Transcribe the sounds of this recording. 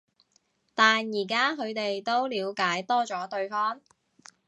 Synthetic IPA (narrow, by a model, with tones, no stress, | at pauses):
t̪aː˨njiː˨˩kaː˥ɦɵ˨˧ɥt̪e˨jt̪o˥wliː˨˧wkaː˨˥jt̪ɔː˥t͡ʃɔː˨˥t̪ɵ˧ɥfɔː˥ŋ